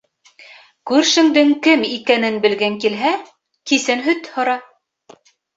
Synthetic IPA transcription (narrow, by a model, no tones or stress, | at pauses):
kʉɾʃɘ̆ŋd̪ɘŋkɘmikænɘnbɘ̆lɡæŋkilɦæ | kisɘnɦɵt̪hŏɾɑ